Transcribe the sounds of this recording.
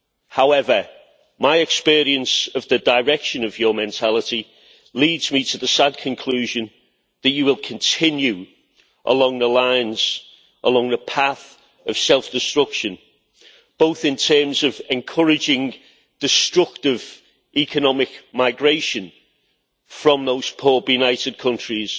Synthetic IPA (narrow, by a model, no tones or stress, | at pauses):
haʊɛvə | maɪɛkspɪːɹiə̃nsəvðədəɹɛkʃə̃nəvjəmɛ̃ntʰalɪti | liːdz̥mitʰəðəsad̚kʰə̃nkʰl̥ʉːʒə̃n | ðət͡ʃəwɪlˠkʰə̃ntʰɪ̃njʉ | ʔə̰lɔ̃ŋðəlãɪ̃nz̥ | ʔəlɒ̃ŋðəpʰaθ | əv̥sɛlˠfd̥ɪstɹ̥ʊkʃə̃n | b̥oʊθɪ̃ntʰɜːmzəvɛ̃nkʰʊɹɪd͡ʒɪ̃ŋ | d̥ɪstɹ̥ʊk̚tɪv | ʔɛkʰənɒmɪkmaɪɡɹeɪʃə̃n | fɹə̃mðoʊz̥pʰɔːbjʉnaɪtɪd̚kʰʌ̃nt͡ʃɹ̥iz̥